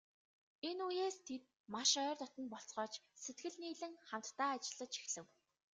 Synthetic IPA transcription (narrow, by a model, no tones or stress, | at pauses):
enujeːst̪ʰet̪̚ | maʃœːrt̪ɔt̪ɞ̆npɔɬt͡sɢɔːt͡ɕset̪̚ɡɘ̆ɮniːɮɘ̆ŋχam̥t̪ːaːat͡ɕɪ̆ɮə̆t͡ɕi̥xsɘ̆w